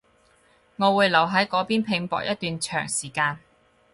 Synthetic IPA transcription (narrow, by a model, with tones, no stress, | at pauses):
ŋɔː˨˧wuː˨˧jlɐ˨˩wɦɐ˨˥jkɔː˨˧˥piː˥npʰɪ˨˧ŋpɔ̰ː˨k̚jɐ˥t̪̚yː˨nt͡ʃʰœ̰ː˨˩ŋsiː˨˩kaː˧n